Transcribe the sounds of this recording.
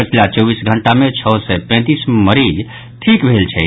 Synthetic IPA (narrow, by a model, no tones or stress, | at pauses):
ət͡ʃʰilat͡ʃɔːbisɡʱəɳʈamẽt͡ʃʰɔːsɛpɛ̃ːt̪iːsməɾid͡ʒ | ʈʰikbʱelt͡ʃʰɛ